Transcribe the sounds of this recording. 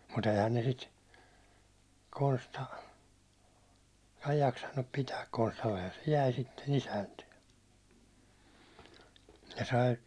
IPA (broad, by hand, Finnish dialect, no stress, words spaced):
mut eihæn ne sit konstɑ ei jɑksɑnːup pitæːk konstɑlːehɑn se jæi sitːen isæntye se sɑi